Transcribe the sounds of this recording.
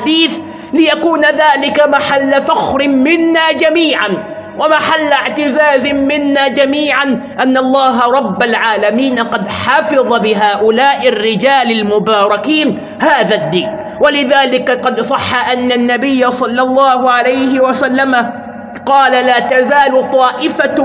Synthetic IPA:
ħad̪iːθ | lɪjakuːnaðaːlɪkamaħalːafaxɾɪmɪnːaːd͡ʒamiːʕan | wamaħalːaʕt̪ɪzaːzɪmɪnːaːd͡ʒamiːʕan | ʔanːɑlˤːɑːɦɾˤɑbːalʕaːlamiːnaqɑd̪ħɑːfɨðˤɑbɪɦaːʔʊlaːʔɪrːɪd͡ʒaːlalmʊbɑːɾˤɑkiːn | haːðad̪ːiːn | walɪðaːlɪkaqɑd̪sˤɑħːaʔanːanːabɪjːasˤɑlːɑlˤːɑːhʊʕalajhɪwasalːama | qɑːlalaːt̪azaːlʊt̪ˤɑːʔɪfa

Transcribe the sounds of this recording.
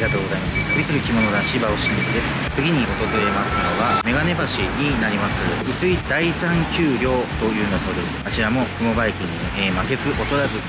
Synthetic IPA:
iɡat̪o̞ːɡo̞zaimasɨ̥t̪abʲisɨɾɯ̟kʲimo̞no̞d̪aɕibaoɕĩb̪ek̪ɯd̪e̞sɨ̥t͡sɨɡʲiɲ̟iʔo̞t̪o̞zɨɾe̞masɨno̞βame̞ɡane̞baɕiɲ̟inaɾʲimasɨɯ̟sɨid̪aisãŋkʲɨːɾʲo̞ːt̪o̞jɯ̟̃ːnd̪aso̞ːd̪e̞sɨ̥at͡ɕiɾamo̞kɯ̟mo̞baikɯ̟ɲ̟i | eːmake̞zɨʔo̞t̪o̞ɾazɨ

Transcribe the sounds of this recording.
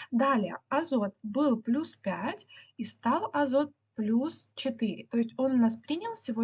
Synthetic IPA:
d̪alʲɪjə̰ɐzo̞t̪̚bɨlˠplʲuspʲætʲist̪ɑlˠɐzo̞t̪̚ | plʲust͡ɕɪt̪ɨɾʲɪ̰t̪o̞ɪsʲtʲo̞nnaspɾʲinʲɪlˠsʲɪvo

